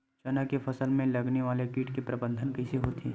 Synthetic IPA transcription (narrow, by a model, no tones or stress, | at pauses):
t͡ʃɐnakefʰɐsəlmẽlɐɡneʋaːlekiːʈkepɾɐbə̃nd̪ʱənkɐɪseɦoːt̪ʰi